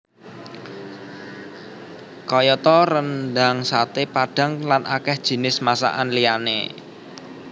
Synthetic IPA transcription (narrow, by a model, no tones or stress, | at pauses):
kɔjɔt̪ɔɾəndaŋsat̪epaɖ̥ä̤ŋlanʔakɛhd̥ʒ̥i̤nɪsmasa̰ʔanlianḛ